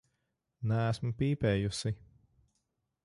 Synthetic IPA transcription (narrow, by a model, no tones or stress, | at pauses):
næːsmupiːpɛːjusi